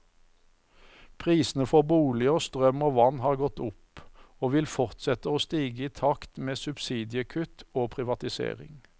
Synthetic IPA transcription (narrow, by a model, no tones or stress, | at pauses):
pʰʁiːsn̩əfɔʁbuːlɪoːst̪ʁœmoːʋɑnhɑːʁɡɔt̪ʊpoːʋɪlfɔʁt̪sɛt̪əoːst̪iːɡəiːt̪ʰɑkt̪meːsʉbsiːd̪ɪəkʰʉt̪oːpʰʁɪʋɑt̪ɪsḛːʁɪ̰ŋ